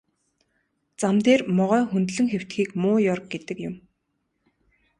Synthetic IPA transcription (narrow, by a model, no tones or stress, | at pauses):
t͡samt̪eːrmɔʁœːxunt̪ɮɘ̆ŋxew̥t̪xiːkmʊːjɔrk̚ɡet̪ɘ̆kjʊ̆m